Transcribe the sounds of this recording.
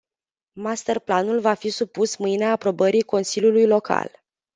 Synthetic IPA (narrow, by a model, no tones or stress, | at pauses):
mast̪ərplanulvafisupusmɨjneaːpɾo̞bəɾiko̞nsiljulujlo̞kʰa̰l